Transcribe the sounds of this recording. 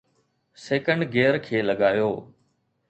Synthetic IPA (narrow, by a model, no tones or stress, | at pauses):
seːkə̃ɳɖɡeːɾkʰeːləɠaːjoː